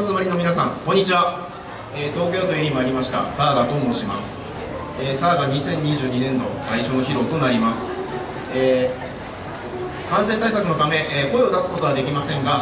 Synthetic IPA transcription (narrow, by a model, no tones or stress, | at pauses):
t͡sɨmaɾʲino̞mʲinasã̰ŋkoɲ̟ːit͡ɕiβa | eːt̪o̞ːk̬ʲo̞ːt̪oeɾʲimoaɾʲimaɕi̥t̪a̰saːɡat̪o̞ːmo̞ɕimasɨ̥ | eːsaːɡaɲ̟isẽ̞ɲ̟ːiʑɨːɲ̟inẽ̞nd̪o̞̰saiɕo̞noçiɾo̞t̪o̞naɾʲimasɨ̥ | eː | kãɰ̃sẽ̞nt̪aisakɯ̟no̞t̪ame̞ʔko̞eo̞d̪asɨ̥ko̞t̪o̞βad̪e̞kʲimasẽ̞ŋɡa